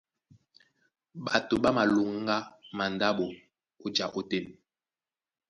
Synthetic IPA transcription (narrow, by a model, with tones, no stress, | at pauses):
ɓa˨to˨ɓa˦ma˨lu˨ŋ˦ɡa˦ma˨nda˦ɓo˨ | o˦d͡ʒa˨ʔo˦te˦˨n